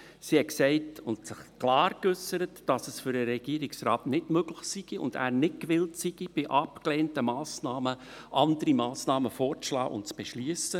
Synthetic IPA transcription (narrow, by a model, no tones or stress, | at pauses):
sihɛksɛɪtʊntsɪχklɑːɾkʏsːəɾətd̥ɑsəsfʏɾəɾɛɡ̥iəɾɪksɾɑːtnɪdmøɡ̥lɪχsiɡ̥iʊ̰ndæ̰ːɾnɪtkʋɪltsiɡ̥ib̥ɪʔɑpkleːntəmɑːsnɑːmə | ʔɑndəɾimɑːsnɑːməfoːɾt͡slɑ̰ːʔʊ̰ntt͡sb̥ɛʃliəsə